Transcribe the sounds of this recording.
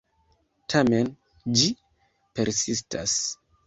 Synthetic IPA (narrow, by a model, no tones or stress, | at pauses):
tʰame̞n | d͡ʒi | pe̞ɾsistʰa̰s